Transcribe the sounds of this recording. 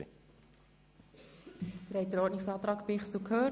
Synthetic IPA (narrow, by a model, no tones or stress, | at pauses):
d̥ɪɾhɛɪt̚d̥̪əɾɔɾtnɪksɑːt̪ɾɑːkpɪχsukʰhøː